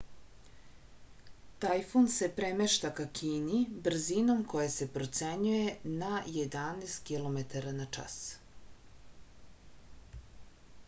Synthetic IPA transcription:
t̪ajfonse̞pɾemeʃt̪akakʰiːnibr̩zino̞mko̞jese̞pɾo̞t̪seɲuje̞najed̪aneːst̪kilˠo̞met̪aɾanat͡ʂa̰s

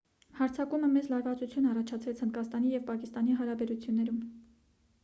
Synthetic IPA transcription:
hɑɾt͡sʰɑkuməmɛd͡zlɑɾvɑt͡sut͡sʰjunɑrɑt͡ʃʰɑt͡sʰvɛt͡sʰhənd̪kɑst̪ɑnijɛvpɑkist̪ɑniɦɑɾɑbɛɾut͡sʰjunːɛɾum

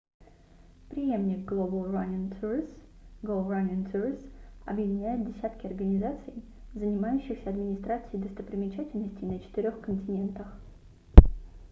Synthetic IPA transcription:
pɾʲɪje̞mnʲɪk̚ɡlˠobəlˠranʲnt̪uɾsɡˠolˠranʲənt̪uɾʲsɐ̰bjɪdʲɪnʲæjɪt̪̚dʲɪsʲæt̪kʲɪɐrɡənʲɪzat̪sɨj | zənʲɪmajʉɕːɪxsʲəɐd̪mʲɪnʲɪst̪ɾat̪sɨɪd̪əst̪əpɾʲɪmʲɪt͡ɕætʲɪlʲnəsʲtʲɪjnət͡ɕɪ̥t̪ɪɾʲo̞xkənʲtʲɪnʲe̞nt̪əx

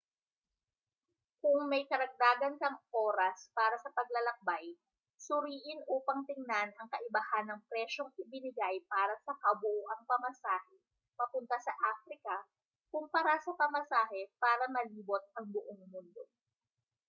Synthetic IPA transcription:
kʊŋmɐjkɐɾɐɡ̚d̪aːɡɐnkɐŋʔoːɾɐspaːɾɐsɐpɐɡ̚lɐlɐk̚baj | sʊɾiːʔɪnʔuːpɐŋt̪ɪŋnanɐŋkɐʔɪbɐhanːɐŋpɾɛʃo̞ŋʔɪbɪnɪɡajpaːɾɐsɐkɐbʊʔoʔɐŋpɐmɐsaːhɛ | pɐpʊnt̪ɐsɐʔaːfɾɪkɐ | kʊmpɐɾasɐpɐmɐsaːɦɛpaːɾɐmɐliːbo̞t̪̚ʔɐŋbʊʔoŋmʊnd̪o

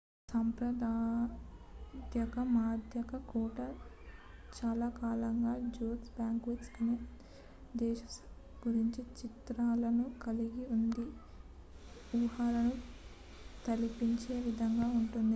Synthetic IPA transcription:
sɐmpɾɐd̪aː | d̪jɐkɐmaːd̪ʱjɐkɐkuːʈɐ | t͡ʃaːlaːkaːlɐŋɡaːd͡ʒoːtsbjaːŋkʋet͡ʃskɐneː | d̪ɛːʃɐ̥s | ɡ̥uɾiɲt͡ʃit͡ʃit̪ɾaːlɐnukɐliɡiund̪i | uːɦaːɾɐnu | t̪ɐlipiɲt͡ʃeːʋid̪ʱɐŋɡaːuɳʈund̪i

